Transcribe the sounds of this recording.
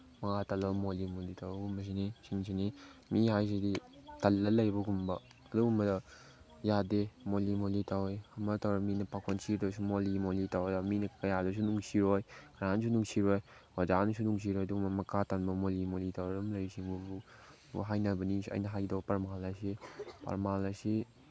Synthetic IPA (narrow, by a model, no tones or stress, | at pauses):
maŋatalɐbɐmolimolitawbɐɡumbɐs̬inisiŋsʰinimiɦajs̬iditalːɐlɐjbɐɡumbɐ | ɐduɡumbɐdɐ | jademolimolitawjhɐmɐtawɾɐminɐpakʰonsiɾdsumolimolitawdaminɐkɐjadɐs̬unuŋsiɾojkʰaɾans̬unuŋsiɾɔj | wad͡ʒanus̬unuŋs̬iɾɔjɐduɡumbɐmɐkatanbɐmolimolitawɾadumlɐjsiŋbubṵ | ɦajnɐbɐnisɐ̰jnɐɦajdawpɐɾmalːajsepɐ̰ɾmalːajsi